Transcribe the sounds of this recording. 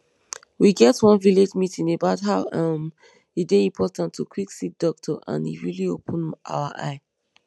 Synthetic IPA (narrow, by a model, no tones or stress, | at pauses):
wiɡɛtwʌ̃nviled͡ʒmitĩŋebaʊtɦaʊʌm | edeĩmpʰɔtãntʰːukʰwiksit̚d̥ɔk̚tʰɔʔã̰nḭɹiliopʰə̃nʔa̰ʊəʔa̰ɪ